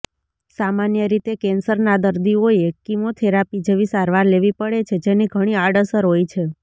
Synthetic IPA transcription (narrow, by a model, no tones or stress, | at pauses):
samanjəɾit̪ekɛnsəɾnad̪əɾd̪ioekimot̪ʰeɾapid͡ʒeʋisaɾʋaɾleʋipəɽet͡ʃʰed͡ʒeniɡʱəɽ̃iaɖəsəɾɦojt͡ʃʰe